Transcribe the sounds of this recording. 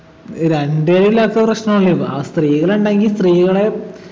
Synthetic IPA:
ɾeɳɖeɻilaːk̪ːɐprɐʂnɐmoɭːiʋa̰ːst̪riːɣɐɭeuɳɖaːŋɡilst̪riːɣɐɭe

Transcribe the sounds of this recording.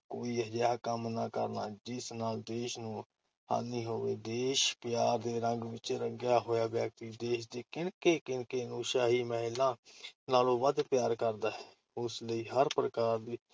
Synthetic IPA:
koːid͡ʒakəmnakəɾnaːd͡ʒɪsnaːld̪eːʃnũː | a̰ːniːɦoːʋed̪eːʃpjaːɾd̪eːɾə̃ŋɡʋɪt͡ʃeɾəɡjaːɦoːjaːʋjak̚t̪id̪eːʃd̪eːkɪnkekɪnkeːnũːʃaːɦiməɦɪlãːnaːlõːʋəd̪pjaːɾkəɾd̪aːɦɛ | ʊsləiːɦəɾpɾəkaːɾd̪iː

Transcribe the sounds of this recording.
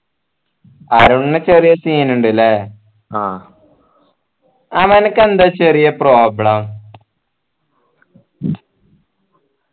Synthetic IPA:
ɐɾuɳːɨt͡ɕerijɐsiːnuɳɖilːɐ | aː | ɐʋɐnɨkːend̪at͡ɕːerijɐproːbɽɐm

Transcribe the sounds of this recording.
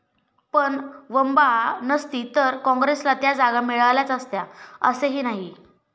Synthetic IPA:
pəɳʋəmbanəst̪iːt̪əɾkɔ̃ŋɡɾeslat̪jad͡zaɡamiɭaʋljat͡səst̪jaə̰seɦinaɦi

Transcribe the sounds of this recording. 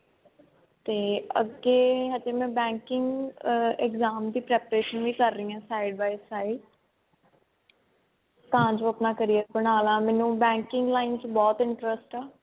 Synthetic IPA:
t̪eːə̰ɡeːɦad͡ʒeːmɛ̃ːbɛ̃ːŋkɪŋɡɛkzaːmd̪iːpɾɛːpəɾeːʃənʋiːkəɾːəĩːãːsaːɪɖbaːisaːi | t̪aãːd͡ʒõəpnaːkəɾijəɾbənaːlãːmɛ̃ːnũːbɛ̃ːŋkɪŋɡlaːɪnt͡ʃbɔːt̪ɪ̃ɳʈɾəsʈɛː

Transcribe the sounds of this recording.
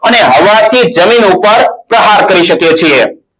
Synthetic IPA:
əneɦəʋat̪ʰid͡ʒəminupəɾpɾəɦaɾkəɾiʃəket͡ʃʰie

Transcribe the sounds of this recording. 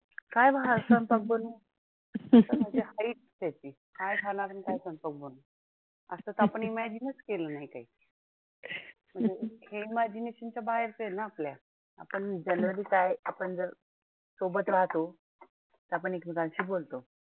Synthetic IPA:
kajbʱasənpək̚bonu | t̪əmm̤əɳd͡zehaiːʈ̚sat͡ɕiː | hajbʰʱanaɾənkajsənpək̚bənu | əsət̪əapəɳimad͡ʑinəskelənaɦikai | m̤ə̃ɳd͡zeheimad͡ʑineɕənt͡ɕjabaɦeɾsəenaaplja | a̰pəɳd͡ʑənɾəliːkajapəɳd͡zəɾ | sobət̪ʋat̪o | t̪əap̬əɳekmikãnɕiːbolt̪o

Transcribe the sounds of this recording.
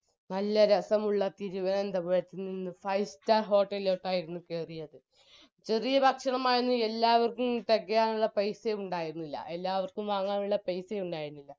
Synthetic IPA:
nɐlːɐɾɐsɐmuɭːɐt̪iɾuʋɐnɐmend̪ɐpoːɻt̪ːininːɨfɐjstarɦo̞ːʈːɐloʈːaːjiɾunːukeːrijɐðɨ | t͡ɕe̞rijɐbʱɐkʂɐɳɐmaːjenːue̞lːaːʋɐrkumt̪eɡːɐjaːnuɭːɐpɐjsejuɳɖaːjiɾunːilːɐ̰ʔe̞lːaːʋɐrkumʋaːŋːaːnuɭːɐpɐjsejuɳɖaːjiɾunːilːɐ

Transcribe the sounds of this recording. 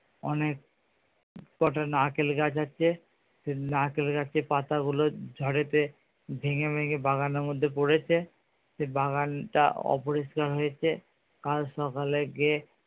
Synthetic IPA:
ɔ̰nek̚ | kɔʈanakelɡat͡ɕʰatːɕʰe | senakelɡaepat̪aɡulod͡ʑʱɔɽet̪e | bʱeŋebʱeŋebʱaɣaneɾmod̪ʱːepoɽet͡ɕʰe | sebaɡanʈa̰ɔ̰poɾiʃkaɾɦojet͡ɕʰe | kalʃɔkaleɡe

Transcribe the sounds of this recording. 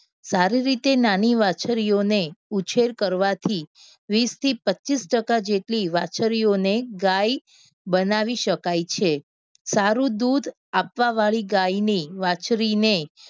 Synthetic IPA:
saɾiɾit̪enaniʋat͡ʃɾijoneut͡ʃʰeɾkəɾʋat̪ʰi | ʋist̪ʰipətːʃisʈəkad͡ʒeʈliʋat͡ʃəɾijoneɡaj | bənaʋiʃəkajt͡ʃʰe | saɾũd̪ud̪ʱ | apʋaʋaɭiɡajniʋat͡ʃɾine

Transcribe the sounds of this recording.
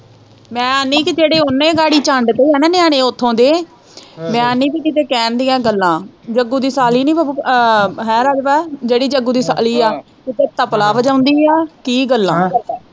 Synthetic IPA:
mɛ̃ːəniːkɪd͡ʒeːɽeːʊnːẽːɡaːɽiːt͡ʃãːɳɖt̪eːɦɛːnãːnɪaːɽ̃ẽːʊt̪ʰːõːd̪eː | mɛ̃ːəniːkɪkɪt̪eːkɛːnd̪ijãːɡəlːãːd͡ʒəɡuːd̪iːsaːliːniːpə | ɦɛ̃ːɾaːd͡ʒʋaːd͡ʒeːɽiːd͡ʒəɡuːd̪iːsa̰ːliːaː | kɪt̪eːt̪əplaːʋəd͡ʒãːʊnd̪iːaːkiːɡəlːãː

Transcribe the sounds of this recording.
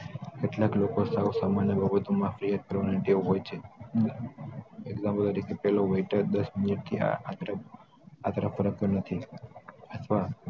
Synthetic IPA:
keʈlaklokosausamanjəbʱəbət̪omãfɾiɦaɾ̚kəɾʋaneʈioɦojt͡ʃʰe | eɡzãmpəlt̪əɾikʰepɛɦloʋeiʈəɾd̪əsmɪniʈ̚t̪ʰḭt̪ɾə | at̪əɾəfːəɾək̚t̪ənət̪ʰi | ət̪ʰʋa

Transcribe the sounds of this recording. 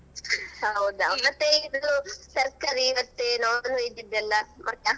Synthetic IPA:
hɐwud̪amɐt̪ːeid̪ut̪ɐɾkɐɾiːʋɐt̪ːenɐːnuid̪ːid̪ɛlːɐmɐt̪ːe

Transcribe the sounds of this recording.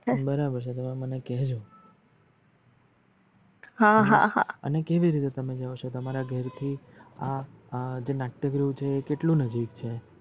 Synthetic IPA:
bəɾabəɾt͡ʃʰet̪əmemənekɛɦd͡ʒʰõ | ɦaɦãɦaə̰nekeʋiɾit̪et̪əmed͡ʒaot͡ʃʰot̪əmaɾaɡʱəɾt̪ʰi | a | d͡ʒenakʈːəɡɾut͡ʃʰeːkeʈlũnəd͡ʒikt͡ʃʰe

